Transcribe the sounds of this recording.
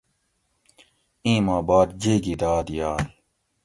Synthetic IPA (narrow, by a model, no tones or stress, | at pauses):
ĩːmaːbaːd̪d͡ʑeːɡid̪aːd̪jaːl